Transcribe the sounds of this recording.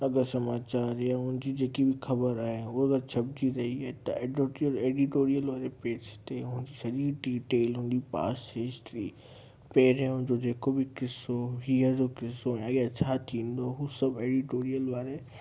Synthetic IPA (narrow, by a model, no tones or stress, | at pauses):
ɐɡəɾsɐmaːt͡ɕaːɾjaʊɦɪ̃nd͡ʑid͡ʑeːkibʱɪxɐbəɾaːɦeʊɐɡəɾt͡ɕʰɐbd͡ʑiɾɐɦiaːɦet̪ɐ̰eoeːɖiʈoːɾijəlʋaːɾepeːd͡ʑt̪eʊ̃ɦɪ̃ɲ̆d͡ʑisɐɗiɖiːʈeːlɦʊ̃ɦɪ̃n̆d͡ʑipa̰ːsɦɪsʈɾi | peːɾɦẽʊ̃ɦɪ̃ɲ̆d͡ʑod͡ʑeːkobɪkɪsoɦiːəɾd͡ʑokɪsojɐɡet͡ɕʰat̪ʰĩːn̆d̪oɦusɐbeːɖiʈoːɾijəlʋaːɾe